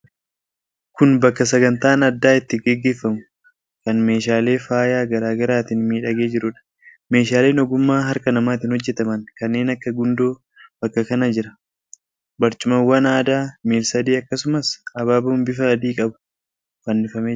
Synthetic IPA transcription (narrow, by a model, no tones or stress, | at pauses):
kʊnbɐkːɐs̬ɐɡɐnt̪aːnɐd̪ːaːɪt̪ːɪɡɛɡːe̞ːfːɐmʊ̥ | kɐnme̞ːʃaːle̞ːfaːjaːɡɐɾaːɡɐɾaːt̪ɪnmiːᶑɐɡeːd͡ʒɪɾʊᶑɐ̥ | me̞ːʃaːle̞ːnɔɡʊmːaːɦɐɾkɐnɐmaːt̪̬ɪnhɔd͡ʒːɛt̪ɐmɐnkɐnːe̞ːnɐkːɐɡʊnd̪oː | b̥ɐkːɐkɐnɐd͡ʒɪɾɐ̥ | bɐɾt͡ʃʊmɐwːɐnaːd̪aːmiːlsɐd̪iːɐkːɐsʊmɐsɐbaːbɐmbɪfɐsɐd̪iːkʼɐbʊ̥ | fɐnːɪfɐmeː